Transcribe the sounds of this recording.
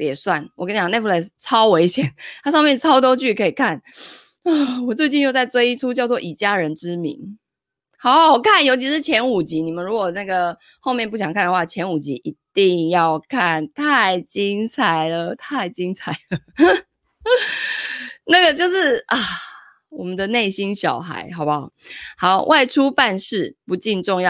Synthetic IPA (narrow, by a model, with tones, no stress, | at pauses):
t̪jɛ˨˩swa˥˩nwɔ˨˩kə˥njne˥˧˩fʰlɛ˥˩st͡sʰɑ˦˥ʊwe˧˥ɪɕjɛ˨˦nt̪ʰa˥ʂɑ˥˧ŋmjɛ˥˩nt͡sʰɑ˥ʊt̪o˥ʊt͡ɕy˥˩kʰə˧˥i˨˩kʰa˥˩n | ə˥˩wɔ˨˩t͡swe˥˧ɪt͡ɕi˥˧njt͡sa˥˩ɪt͡swe˥ɪi˥ʈ͡ʂʰu˥t͡ɕjɑ˥˧ʊt͡swɔ˥˨ʔi˨˩t͡ɕja˥˩ɻə˧˦nʈ͡ʂɻ̩˦mḭ˧˥ŋ | xa˨˧˦wɔ˨˩kʰa˥˩njo˧˥ʊt͡ɕʰi˧˥ʂɻ̩˥˧t͡ɕʰjɛ˧˥nu˨˩t͡ɕi˧˦˥ni˨˩mə˨nɻu˧˥kwɔ˨˩na˥˩ɡə˩ | xo˥˧mjɛ˥˧npu˥˩ɕjɑ˨˩ŋkʰa˥˩nd̪ə˩xwa˥˩t͡ɕʰjɛ˧˥nu˨˩t͡ɕḭ˧˥ʔi˧˥t̪i˥˧ŋjɑ˥˧ʊkʰa˥˩nt̪ʰa˥˩ɪt͡ɕi˦˥ŋt͡sʰa˨˩ɪlə˦t̪ʰa˥˧ɪt͡ɕi˦˥ŋt͡sʰa˨˩ɪlə˩ | na˥˩ɡə˩t͡ɕjo˥˧ʊʂɻ̩˥˩ʔɐ˨˩ | wɔ˨˩mə˨nd̪ə˨ne˥˩ɪɕi˦˥nɕjɑ˨˩ʊxa̰˧˦ɪxɑ˨˩ʊba˨hɑ˨˧˦ʊwʔa˥˩ɪʈ͡ʂʰu˥pa˥˧nʂɻ̩˥˩pu˨˦t͡ɕi˥˧nʈ͡ʂo˥˧ŋjɑ˥˨